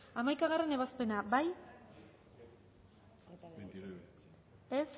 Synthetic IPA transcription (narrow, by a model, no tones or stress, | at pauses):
amajkaɣ̞are̞ne̞βaspe̞nabaj | es